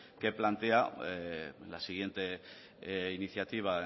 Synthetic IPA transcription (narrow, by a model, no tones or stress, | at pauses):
ke̞plant̪e̞a | lasiɣ̞je̞nt̪e̞ | iniθjat̪iβ̞a